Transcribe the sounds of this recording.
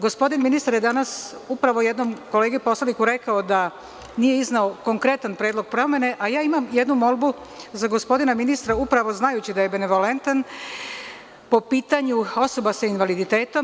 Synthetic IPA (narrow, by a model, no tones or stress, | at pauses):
ɡo̞spo̞d̪inminist̪aɾjed̪anasupɾaʋoje̞d̪nomko̞le̞ːɡepo̞slˠanikuɾe̞kaod̪a | nije̞iznaoko̞ŋkɾe̞t̪anpɾeːd̪lˠo̞ɡ̚pɾo̞me̞ne̞ʔajaːimamje̞d̪numo̞lˠbu | zaɡo̞spo̞d̪inaminist̪ɾaupɾaʋo̞znajut͡ɕid̪ajebene̞ʋo̞le̞nt̪an | po̞piːt̪aɲuo̞so̞basainʋalid̪it̪e̞ːt̪o̞m